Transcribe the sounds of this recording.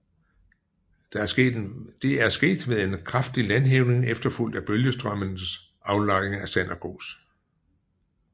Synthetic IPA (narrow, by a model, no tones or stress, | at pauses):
d̥ɑ̈æɐsḛd̥e̝æɐsɡ̥e̝̰ːd̥ʋeðˠe̝nkʰʁafd̥ilænɦeʊne̝ŋefd̥ɐful̰d̥æb̥øljəsd̥ʁɶmənəs | ʔɑ̈ʊlɑ̈ɡɪeŋæsænæɡ̥o̝̰ːs